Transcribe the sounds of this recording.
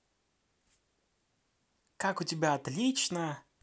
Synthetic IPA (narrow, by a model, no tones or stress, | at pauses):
kakʊtʲɪbʲaːt̪lʲit͡ʃnə